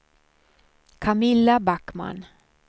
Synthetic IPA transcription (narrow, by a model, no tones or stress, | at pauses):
kʰamɪlːabakːma̰n